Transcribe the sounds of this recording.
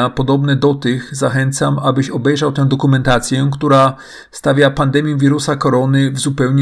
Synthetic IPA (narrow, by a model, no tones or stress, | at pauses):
apɔd̪ɔbnɛd̪ɔt̪ɘxzaxɛnt̪samabɘɕɔbɛjʐawt̪ɛ̃w̃d̪ɔkumɛnt̪at̪sʲjɛkt̪uɾa | st̪avʲjapand̪ɛmʲjɛ̃vʲiɾusakɔɾɔnɘvzupɛwɲ